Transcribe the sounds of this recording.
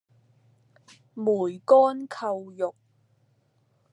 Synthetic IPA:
muː˨˩jkɔː˥nkʰɐ˧wjʊ˨k̚

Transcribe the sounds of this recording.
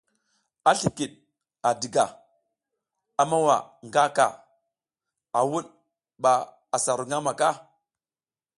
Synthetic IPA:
a˦ɬi˨ki˨ɗ | a˨di˨ɡa˨ | a˨ma˦wa̰˨ŋɡa˦ka̰˨ | a˨wu˦ɗ | ɓa˨ | a˨sa˨ɾu˨ŋa˦ma˨ka˦˨

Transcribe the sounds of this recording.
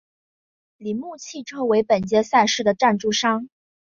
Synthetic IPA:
li˨˩nmu˥˧t͡ɕʰi˥˩ʈ͡ʂʰɤ˥we˧˥ɪpə˨˩nt͡ɕjɛ˥sa˥˧nʂɻ̩˥˩d̪ə˩ʈ͡ʂa˥˧nʈ͡ʂu˥˩ʂɑ˥ŋ

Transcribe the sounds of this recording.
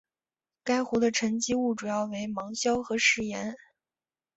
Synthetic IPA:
ka˥ɪxu˧˥d̪ə˧ʈ͡ʂʰə˧˥nt͡ɕi˥u˥˩ʈ͡ʂu˨˩jɑ˥˩ʊwe˧˥ɪmɑ˧˥ŋɕjɑ˥ʊxɤ˧˥ʂɻ̩˧˥˩jɛ˧˥n

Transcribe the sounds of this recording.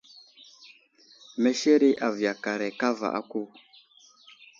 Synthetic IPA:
mɛ˨ʃɛ˦ɾɪ˦ʔa˨vja˨ka˨ɾɛ˨ka˦va̰˨ʔa̰˦ku˦

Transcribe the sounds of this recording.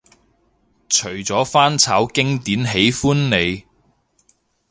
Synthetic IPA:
t͡ʃʰɵ˨˩ɥt͡sɔː˨˥faː˥nt͡sʰaː˨˥wkɪ˥ŋt̪iː˨˥nɦe˨˥jfuː˥nne˨˧j

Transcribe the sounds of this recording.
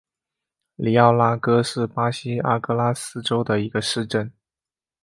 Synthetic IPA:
li˧˥ɑ˥˩ʊla˥kɤ˥ʂɻ̩˥˩pa˥ɕi˥a˥kɤ˥˩la˥sɹ̩˥ʈ͡ʂo˥ʊd̪ə˨i˧˥ɡ̥ə˧ʂɻ̩˥˧ʈ͡ʂə˥˩n

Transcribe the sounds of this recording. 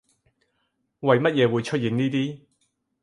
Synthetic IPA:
wɐ˨jmɐ˥t̚jɛː˨˧wuː˨˧jt͡ʃʰɵ˥t̚jiː˨˧nniː˥t̪iː˥

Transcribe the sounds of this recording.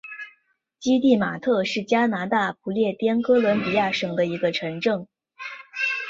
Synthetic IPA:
t͡ɕi˥t̪i˥˩ma˨˩t̪ʰɤ˥˧ʂɻ̩˥˩t͡ɕja˥na˧˥t̪a˥˩p̚ʰu˧˥ljɛ˥˩t̪jɛ˥nkɤ˥lwə˧˥npi˨˩ja˥˩ʂɤ˨˩ŋd̪ə˦i˧˥ɡə˧ʈ͡ʂʰɤ˧˥ŋʈ͡ʂɤ˥˩ŋ

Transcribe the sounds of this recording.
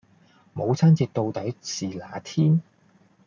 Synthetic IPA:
mo˨˧wt͡sʰɐː˥nt͡siː˧t̚t̪o˧wt̪ɐ˨˥jt͡siː˨laː˨˧t̪ʰiː˥n

